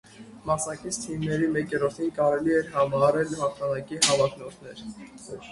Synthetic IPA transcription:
mɑsnɑkit͡sʰt̪ʰimnɛɾimɛkjɛɾɔɾt̪ʰinkɑɾɛliɛɾɦɑmɑɑɾɛlhɑχt̪ʰɑnɑkiɦɑvɑk̪ʰnɔɾt̪ʰnɛɾ

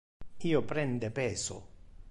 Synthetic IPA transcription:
iːopɾɛnd̪epeːso̰

